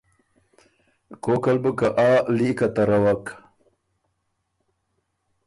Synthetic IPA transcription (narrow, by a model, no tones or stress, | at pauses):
kokalbəkaʔalikat̪ɐɾɐwak